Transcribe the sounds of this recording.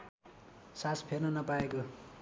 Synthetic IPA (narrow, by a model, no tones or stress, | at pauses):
saspʰernʌnʌpaeko